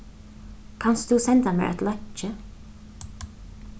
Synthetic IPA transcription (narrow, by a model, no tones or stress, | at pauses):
kʰanst̪usɛnt̪amɛ̰ʔɛ̰t̪lœt͡ʃːə